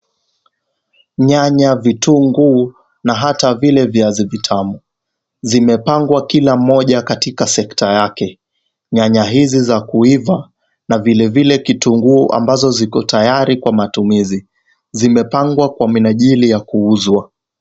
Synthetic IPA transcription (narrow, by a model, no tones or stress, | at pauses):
ɲaɲavituːŋɡuː | naɦatavilɛviazivitʰamu | zimɛpaŋɡwakilam̩ːɔʄakatikasɛktajakɛ | ɲaɲaɦizizakuiva | navilɛvilɛkituːŋɡuːʔa̰mbazɔzikɔtʰajaɾikwamatumizi | zimɛpaŋɡwakwaminaʄilijakuuzwa